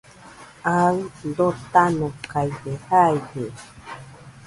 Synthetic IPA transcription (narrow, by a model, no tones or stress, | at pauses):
and̪ot̪anõkajdehajhe